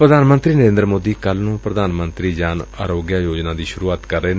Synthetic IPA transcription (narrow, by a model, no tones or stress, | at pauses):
pɾəd̪aːnmə̃nt̪ɾiːnəɾẽːnd̪ɾmoːd̪iːkəlnũːpɾəd̪aːnmənt̪ɾiːd͡ʒaːna̰ːɾoːɡjaːjoːd͡ʒnãːd̪iːʃʊɾuːaːt̪kəɾːeː